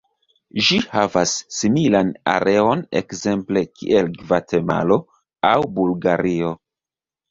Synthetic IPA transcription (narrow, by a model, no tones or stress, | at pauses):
ʒihavasːimilana̰ɾʔe̞o̞ne̞̰kze̞mple̞kʰḭʔe̞lɡvate̞ma̰lo̞ | awbulɡaɾio̞